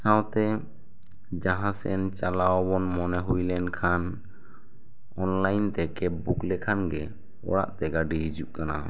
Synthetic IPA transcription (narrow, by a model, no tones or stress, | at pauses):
sãwt̪ɛ | d͡ʒaɦãsɛ̰ɛnt͡ʃalawɔbɔnmɔnɛɦujlɛnkʰan | ɔnlajnt̪ɛkɛbuklɛkʰanɡɛ | ɔ̰ɽa̰ʔt̪ɛɡaɖiɦid͡ʒuʔkana̰